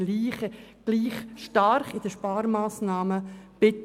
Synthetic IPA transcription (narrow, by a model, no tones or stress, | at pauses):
liːχəɡ̥liːχʃtaɾχɪd̥əʃpɑːɾmaːsnɑːməb̥ɪt